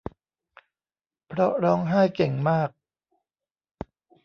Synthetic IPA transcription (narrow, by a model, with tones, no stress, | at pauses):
pʰɾɔ˦˥ɾɔː˦˥ŋɦaː˥˩jke˨˩ŋmaː˥˩k̚